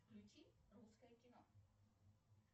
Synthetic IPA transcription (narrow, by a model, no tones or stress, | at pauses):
klʲʉt͡ɕʲiruskəjəkʲɪnɔ